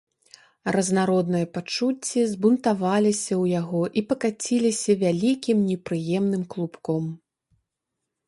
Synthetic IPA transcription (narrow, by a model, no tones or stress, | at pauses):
rɐznaɾɔd̪nɨjɐpat͡ʂut͡sʲːizbunt̪avalʲisʲɐwjaɣɔʔipɐkat͡sʲilʲisʲɐvʲalʲikʲimnʲɛpɾɨjɛmnɨmklˠupkɔm